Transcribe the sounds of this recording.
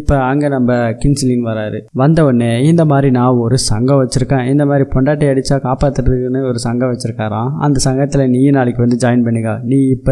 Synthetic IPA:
ɪpːɐɐŋɡɐnɐmbɐkɪnsɪlɪŋʋɐɾaːɾɯʋɐnd̪ɐɔnːeːɪnd̪ɐmaːd̪ɾinãːɔɾɯsɐŋɡɐ̃ʋɐt͡ʃːɯɾɯkːẽːɪnd̪ɐmaːd̪ɾipɔɳɖaːʈ̬ːɐɐɽɯt͡ʃːaːkaːpaːt̪ːɯʈɾɯkːɯnɯɔɾɯsɐŋɡɐ̃ʋɐt͡ʃːɪɾɯkːaːɾãːɐ̰nd̪ɐsɐŋɡɐt̪ːɪlɐniːjɐnaːɭɪkːɯʋɐnd̪ɯd͡ʒaːjɐnpɐɳːɪŋɡaːnĩːɪpːɐ

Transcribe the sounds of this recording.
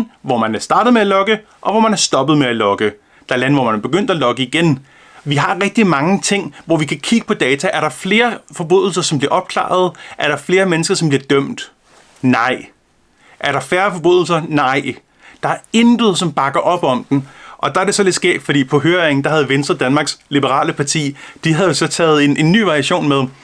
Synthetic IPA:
ʋɒmænæɐsd̥ɑ̈ːdəð̩ˠmeælɒ̽ɡ̥ə | ʔɒ̽ʋɒmænæɐsd̥ɒ̽b̥ð̞̩ˠmeælɒ̽ɡ̥ə | d̥ɑ̈lænʋɒ̰mænb̥e̝ɡ̥øn̰d̥ælɒ̽ɡ̥əiɡ̥en | ʋiɦɑ̈ʁɛɡ̥̚d̥imɑ̈ŋət͡sʰe̝ŋ̰ʋɒʋikʰækʰiɡ̥ə̥pʰɒ̽d̥ɛːt͡sʰæʔæɐɾɑ̈fle̝ːɐfɒ̽b̥o̝ðˠl̩sɐsɒ̽mb̥liɐɒ̽b̥̚kʰlɑ̰̈ːð̞̩ˠʔæɐɾɑ̈fle̝ːɐmenəsɡ̥ɐsɒmb̥liɐd̥œm̰d̥ | nɑ̈ɪ̰ | ʔæɐɾɑ̈fæːɐfɒ̽b̥o̝ðˠl̩sɐnɑ̈ɪ̰ | d̥ɑ̈æɐe̝nd̥ð̞̩ˠsɒ̽mb̥ɑ̈ɡ̥ɐʔɒ̽b̥ɒ̽m̰d̥en̩ʔɒ̽d̥ɑ̈æɐɾe̝sɒ̽le̝d̥sɡ̥ḛːd̥fɒd̥ḭːpʰɒ̽ɦøːɐeŋn̩d̥ɑɦæð̞̩ˠʋensd̥ɐd̥ænmɑ̈ːɡ̥slib̥əʁɑ̰̈ːləpʰɑ̈t͡sʰḭːd̥iɦæðˠjo̝sɒ̽t͡sʰɛ̰ːð̞̩ˠe̝nʔe̝nːy̰ːʋɑ̈ʁiæɕo̝̰ːnmeðˠ

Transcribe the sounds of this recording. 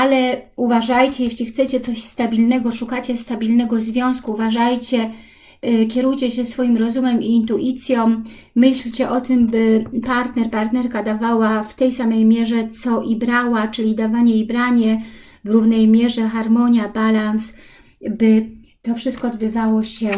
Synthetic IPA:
alɛuvaʐajt͡ɕɛjɛɕlʲixt̪sɛt͡ɕɛt̪sɔɕst̪abʲilnɛɡɔʂukat͡ɕɛst̪abʲilnɛɡɔzvʲjɔ̃w̃skuːvaʐajt͡ɕɛ | kʲɛɾujt͡ɕɛɕɛsfɔjimɾɔzumɛmiːnt̪uʔit̪sʲjɔ̃ | mɘɕlt͡ɕɛʔɔt̪ɘmbɘpaɾt̪nɛɾpaɾt̪nɛɾkad̪avawaft̪ɛjsamɛjmʲjɛʐɛt̪sɔʔibɾawat͡ʂɘlʲid̪avaɲɛibɾaɲɛ | vɾuvnɛjmʲjɛʐɛxaɾmɔɲjabalans | bɘ | t̪ɔfʂɘst̪̚kɔːd̪̚bɘvawɔɕɛ

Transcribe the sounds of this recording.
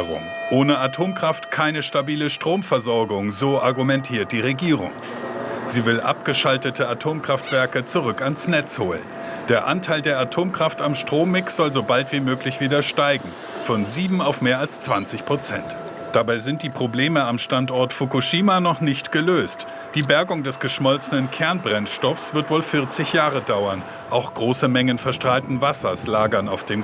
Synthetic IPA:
ʁʊ̰m | ʔoːnəʔatʰoːmkʁ̥aftkʰaɪnəʃtabiːləʃtʁ̥oːmfɛɐzɔɐɡʊŋzoːʔaɐɡumɛntʰiːɐt̚d̥iːʁeɡiːʁʊ̰ŋ | z̥iːvɪlʔa̰p̚ɡ̥əʃaltətʰəatʰoːmkʁ̥aftv̥ɛɐkət͡suʁʏkansnɛt͡shoːlə̰n | d̥eːɐʔa̰ntʰaɪldeːɐatʰoːmkʁ̥aftamʃtʁ̥oːmːɪksz̥ɔlzobaltv̥iːmøːklɪçv̥iːdɐʃtaɪɡŋ̩ | fɔnziːbm̩aʊfmeːɐalst͡sv̥ant͡sɪçpʁ̥ot͡sɛnt | d̥abaɪzɪnt̚d̥iːpʁ̥obleːməamʃtantɔɐtfukuʃiːmanɔχnɪçtɡ̥əløːst | d̥iːbɛɐɡʊŋdɛsɡ̥əʃmɔlt͡sənənkʰɛɐnbʁɛnʃtɔfsv̥ɪɐtv̥oːlfɪɐt͡sɪçjaːʁədaʊɐn | ʔaʊxɡ̥ʁoːsəmɛŋənfɛɐʃtʁ̥aːltn̩vasɐslaːɡɐnaʊfd̥eːm

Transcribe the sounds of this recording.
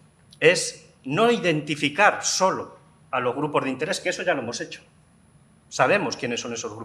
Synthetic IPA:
e̞s | no̞iðe̞nt̪ifikaɾso̞lo | alo̞zɣ̞ɾupo̞zðint̪e̞ɾe̞skeeso̞ʝaloe̞mo̞se̞t͡ʃo̥ | saβ̞e̞mo̞skje̞nesːo̞ne̞so̞zɣɾu

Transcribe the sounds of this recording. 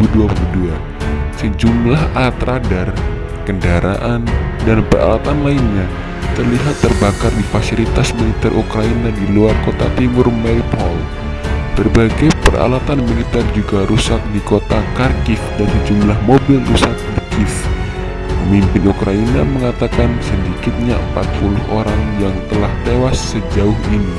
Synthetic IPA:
uduapəbudua | səd͡ʒumlaɦat̪ɾadar | kəndaɾʔa̰ʔandanpəra̰lat̪anlainɲa | t̪ərliɦat̪ːərbakardifasifit̪asmilit̪ɛrʔukɾainadiluarkot̪a̰t̪imʊrmɛpɔl | bərbaɡajpəra̰lat̪anmilit̪ɛrd͡ʒuɡaɾusat̪̚dikot̪akarkɪfdansəd͡ʒumlahmobɪlrusat̪̚dikɪf | pəmimpɪnukɾainaməŋat̪akansədikɪt̪̚ɲaəmpat̪̚pulʊhʔoɾaŋjaŋt̪əlaht̪ewasːəd͡ʒaʊhini

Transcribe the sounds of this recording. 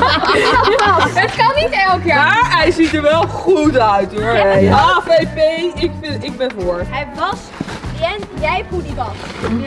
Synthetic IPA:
ətkɑnːitɛlˠkjamaːɹɦɛjzitəɹʋɛlˠχutœɥtɛapejpejɪkfɪɪɡ̚bɛnoɹɦɛjʋɑs | ɛnjɛjfudiʋɑs

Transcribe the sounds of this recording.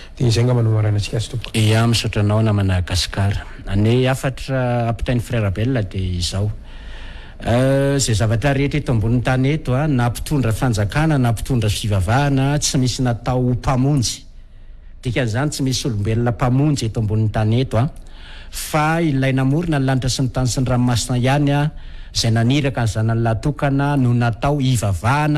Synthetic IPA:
d̪̥eizeŋɡamanumaɾanət͡si̥kʲazi̥t̪uku̥eamisuʈ͡ʂanawnamanaɡasi̥kaɾə̥ | aneafaʈ͡ʂəapi̥t̪ajnifreɾabelinəd̪eizaw | zezavaʈ͡ʂəɾeʈ͡ʂet̪ombunint̪anet̪uanapi̥t̪uɳɖ͡ʐəfand͡zakanənapi̥t̪uɳɖ͡ʐəfivavanət͡simisinat̪awupamund͡zi̥ | d̪̥ikʲanizanit͡simisisulumbelinəpamund͡zet̪ombunint̪anet̪ua | failajnamuɾunalaɳʈ͡ʂəsint̪anisinramasinəjanaizajnaniɾakanzanallat̪ukanənunat̪awivavaːnə

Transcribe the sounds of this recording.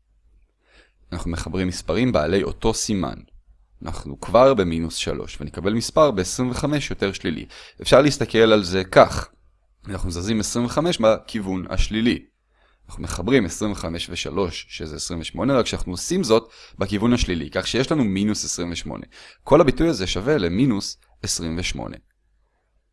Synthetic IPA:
anaχnume̞χabʁimːispaʁimbaːle̞jo̞to̞sima̰n | nʔa̰χnukvaʁbe̞minusʃa̰lo̞̰ʃvenekabe̞lmispaʁbeːsʁimveχame̞ʃjo̞te̞ʁʃlilḭefʃaʁleist̪ake̞lalze̞kaχ | anaχnumzazimesʁimveχame̞ʃbakʰivuna̰ʃlili | anaχnume̞χabʁimesʁimveχame̞ʃveʃa̰lo̞ʃʃezeːsʁiɱveʃmo̞neʁakʃeanaχnuosimzo̞tbakivunhaʃlilḭkaχʃejeʃlanuminusesʁimveʃmo̰nʔe̞kʰo̞labitujaze̞ʃave̞leminus | esʁimveʃmo̞̰ne̞̰

